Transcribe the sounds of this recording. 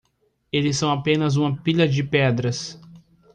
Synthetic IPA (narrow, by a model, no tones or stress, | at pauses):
elɪsːɐ̃w̃apẽnɐzũmɐpiʎɐd͡ʒɪpɛd̪ɾɐs